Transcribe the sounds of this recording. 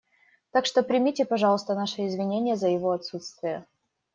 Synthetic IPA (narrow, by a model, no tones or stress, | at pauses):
t̪akʂt̪o̞pɾʲɪmʲitʲɪpɐʐɑlˠəst̪ənaʂɨɪzvʲɪnʲenʲɪjəzəjɪvo̞ɐt̪sut̪st̪vʲɪjə